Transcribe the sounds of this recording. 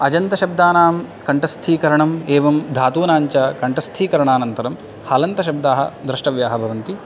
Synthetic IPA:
ɐd͡ʒɐnt̪ɐʃɐb̚d̪aːnaːmkɐɳʈɐst̪ʰiːkɐɾɐɳɐmeːʋɐmd̪ʱaːt̪uːnaːɲt͡ʃɐkɐɳʈɐst̪ʰiːkɐɾɐɳaːnɐnt̪ɐɾɐm | haːlɐnt̪ɐʃɐb̚d̪aːɦɐ̰d̪ɾɐʂʈɐʋjaːɦɐbʱɐʋɐnt̪i

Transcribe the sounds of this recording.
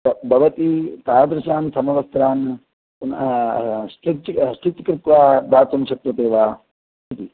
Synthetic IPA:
bɐbɐʋɐt̪it̪aːd̪ɾɐʃaːnsɐmɐʋɐst̪ɾaːn | n | sʈit̪sʈit̪kɾɪt̪ʋaːbaːt̪ɐmʃɐt̪ʋɐt̪eːʋaː | it̪i

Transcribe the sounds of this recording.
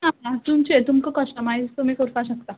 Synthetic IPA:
naat̪umt͡ɕet̪umkəkəsʈəmait͡st̪um̤iːkoɾfaɕəkt̪a

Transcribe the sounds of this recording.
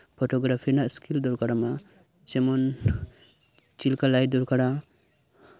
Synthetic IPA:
pʰɔtɔɡɾapʰinaskʰildɔɾkaɾama | t͡ʃemɔn | t͡ʃilkalajdɔɾkaɾa

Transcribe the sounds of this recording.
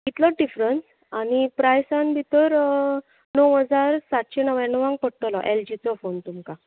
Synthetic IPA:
it̪lɔɖifɾəns | aɽ̃ipɾajsanbʱit̪əɾ | nəwɦəd͡zaɾsat̪ɕenəʋjãnəʋãŋɡ̚pəɽʈəlɔʔeld͡ʑit͡sɔfont̪umka

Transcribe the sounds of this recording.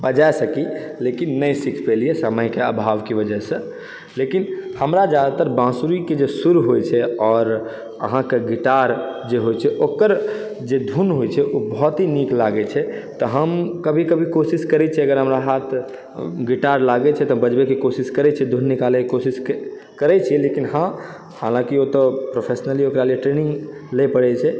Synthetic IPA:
bəd͡ʒaesəkilekinːəjsikʰpelijesəməjkeəbʱaʋkibəd͡ʒəsə̃ | lekinhəmɾad͡ʒjad̪at̪əɾbãsuɾiked͡ʒesuɾuɦojt͡ʃʰɛɔːɾ | ə̰ɦãkeɡiʈaɾd͡ʒeɦojt͡ʃʰɛʔokəɾ | d͡ʒed̪ʱunɦojt͡ʃʰɛʔobɔɦt̪ɦiniklaɡɛt͡ʃʰɛ | t̪ɔɦəmkəbʱikəbʱikosiskəɾɛt͡ʃʰɛəɡəɾɦəmɾaɦat̪ʰ | ɡiʈaɾlaɡɛt͡ʃʰɛt̪ɔbəd͡ʒbekekosiskəɾɛt͡ʃʰɛd̪ʱunːikalɛkekosisk | kəɾɛt͡ʃʰɛlekinhã | halãkiot̪ɔpɾopʰesnəliokɾalieʈɾenĩŋɡlɛpəɽɛt͡ʃʰɛ

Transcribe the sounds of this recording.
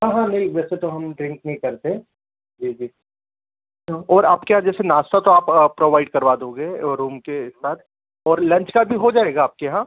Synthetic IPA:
ɦãːɦãnɪlʋɛːset̪oɦɐmɖɾɪ̃ŋk̚nɐɦĩkɐɾt̪e | d͡ʒiːd͡ʒiː | oɔːɾaːpkeɦãd͡ʒɛːsenaːst̪at̪oaːpːpːɾoːʋaːɪɖ̚kɐɾʋaːd̪õːɡeɾuːmkeɪssaːt̪ʰ | ɔːɾlɐ̃nt͡ʃkabʱiɦod͡ʒaːeːɡaːp̚keɦãː

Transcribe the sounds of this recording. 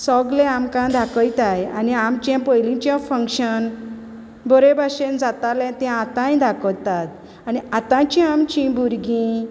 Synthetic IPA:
sɔɡlɛ̃amkãd̪ʱakəjt̪aja̰niamt͡ɕãpəjlĩt͡ɕjãfə̃ŋkɕən | bɔɾebaɕend͡zat̪alɛ̃t̪ɛ̃at̪ãjd̪ʱakət̪at̪̚ | aniat̪ãt͡ɕĩamt͡ɕĩbuɾɡĩ

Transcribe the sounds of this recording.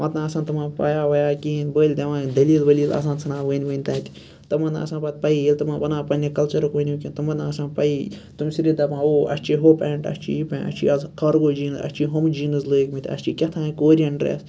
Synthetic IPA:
mɐt̪nãːsaːnt̪ɐmãːpaːjaːʋɐjaːkʲiːnbəːlʲd̪ʲɐmãːd̪ɐliːlʋɐliːla̰s̬ãːt͡sʰɐnãːʋəːnʲʋəːnʲt̪ɐ̃ːt̪ʲi̥ | t̪ɐmɐna̰ːsãːnpɐt̪̚ʲpɐiilʲt̪ɐmãbɐnãːpɐnʲekɐlt͡ʃɐɾɐkʋənʲiukʲĩnt̪ɐmɐt̪aːsãːnpɐit̪umsiɾiːd̪ɐpãːoɐ̰st͡ʃʰiɦopɛːɳʈɐ̰st͡ʃʰḭjipẽːnɐ̰t͡ʃʰḭɐzkɐɾɡoːd͡ʒiːnɐ̰st͡ʃʰiɦomd͡ʒiːnɨzlɨːkmit̪ʲʰɐ̰st͡ʃikʲɐt̪ʰãːkoːɾʲiɐɳʈɾḛːs

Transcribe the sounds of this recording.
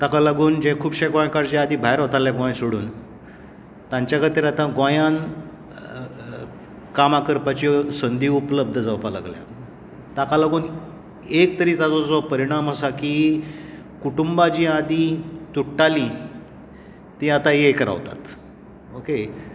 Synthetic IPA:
t̪akalaɡuːnd͡ʑekʰuːbɕeɡãjkaɾd͡ʑead̪iːbʱaeɾɦot̪aljaɡãjsoɽṵːn | t̪ãɲt͡ɕjakʰət̪iɾat̪ãɡajan | kamakəɾpat͡ɕisənd̪iːupləb̚d̪ʱəd͡zawpala̰ɡlja̰ | t̪akalaɡuːn | ekt̪əɾiːt̪at͡sɔd͡zɔpəɾiɽ̃amɦəsakiː | kuʈumbad͡ʑiːad̪it̪uʈːali | t̪iːat̪ajekəɾa̰ʋt̪a̰t̪ | oke

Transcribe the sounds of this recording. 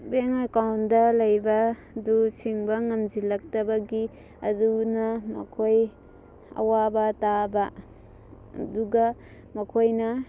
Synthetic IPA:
beŋakawndɐlɐjbɐ | dusʰiŋbɐŋɐmd͡ʒilɐk̚tɐbɐɡi | ɐ̰dunɐmɐ̰kʰoj | ɐ̰wabɐtabɐ | duɡɐ | mɐkʰojnɐ

